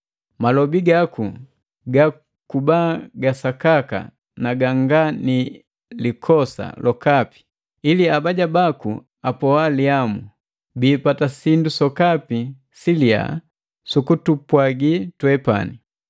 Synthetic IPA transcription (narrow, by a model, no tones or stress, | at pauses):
malɔbiɡaku | ɡa | kubaːɡasakaka̰ | naɡaŋɡani | likʰɔsa̰lɔkapi̥ | iliabaɟabakṵ | apɔwaliamu | biːpatasindusɔkapi | silia̰ | sukutupwaɡitwɛpa̰ni